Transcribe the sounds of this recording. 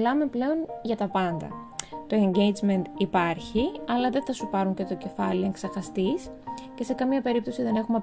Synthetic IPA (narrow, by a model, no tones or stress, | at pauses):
lɐme̞ple̞o̞nʝɐt̪ɐpɐnd̪ɐ̰ | t̪o̞e̞ɲɟe̞jd͡zme̞nt̪ipɐɾçiɐlɐðe̞θɐsupɐɾuɲce̞t̪o̞ce̞fɐlieŋksɐxɐst̪is | ce̞se̞kɐmiɲɐpe̞ɾip̚t̪o̞siðe̞ne̞xumɐ